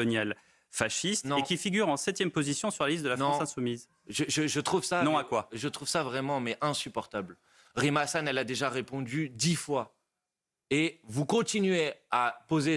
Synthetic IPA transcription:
ɔnjɛl | faʃist̪nɔ̃ẽkʲifiɡʲyʁɑ̃sɛt̪jɛmpozisjɔ̃syʁlalist̪̚d̪əlafnɔ̃ɑ̃sɛ̃sumiz | ʒəʒəʒət̪χuvsanɔ̃akwaʒət̪χuv̥savʁɛmɑ̃mɛʔɛ̃sypɔʁt̪abl | ʁimasanɛlad̪eʒaʁepɔ̃d̪yd̪ifwa | evukɔ̃t̪inɥeapoze

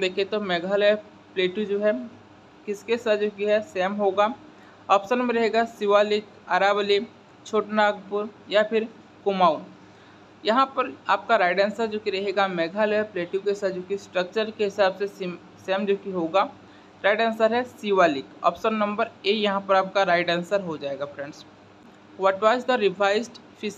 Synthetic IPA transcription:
d̪eːkʰet̪omɛːɡʱaːlɦɛ | pleːʈud͡ʒoːɦɛ | kɪskeɪsaːt̪d͡ʒoːkiɦɛsɛːmɦoːɡaː | ɔːpsənmeɾɐɦeːɡasiʋalɪk | aːɾaːbli | t͡ʃʰoːʈnaːɡpʊɾjapʰɪɾ | kʊmaːʊn | jɐɦãpɐɾaːp̚kaɾaːɪɖɛ̃ːnsəɾd͡ʒoːkiɾɐɦeːɡamɛːɡʱaːlɦɛpleːʈjũkeɦɪsaːt̪d͡ʒoːkisʈɾək̚t͡ʃəɾkeɦɪsaːbse | sɛːmd͡ʒoːkiɦoːɡaː | ɾaːɪɖɛ̃ːnsəɾɦɛsiʋaːlɪkɔ̰ːpsənːɐ̃mbəɾeːjɐɦãpəɾaːp̚kaɾaːɪɖɛ̃ːnsəɾɦod͡ʒaːeːɡapʰɾɛ̃ɳɖs | ʋɐʈʋaːzd̪əɾɪʋʱaːɪzɖ | pʰɪs

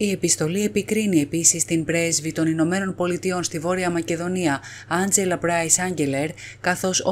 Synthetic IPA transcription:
ie̞pist̪o̞lie̞pikɾinie̞pisist̪imbɾe̞zvit̪o̞nino̞me̞no̞npo̞lit̪io̞nst̪ivo̞ɾiɐmɐce̞ðo̞niɐ | ɐnd͡ze̞lɐpɾɐjsɐɲɟe̞le̞ɾkɐθo̞so

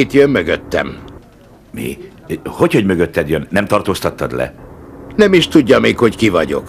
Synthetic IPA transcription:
it̪jømːøɡøt̪ːɛ̰m | mḭ | hocho̞ɟmøɡøt̪ːɛd̪jønːɛmt̪ɒrt̪oːst̪ɒt̪ːɒd̪lɛ̰nɛmiʃt̪uɟːɒmeːkho̞ckivɒɟo̞̰k

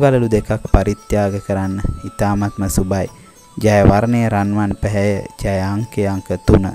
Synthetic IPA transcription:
ɡaləlud̪ekak̚paɾit̪jaːɡəkəɾanːəit̪aːmat̪məsubaj | d͡ʒajəʋaɾnejəɾanʋanpɛɦɛjəd͡ʒajaŋkejaŋkət̪unə

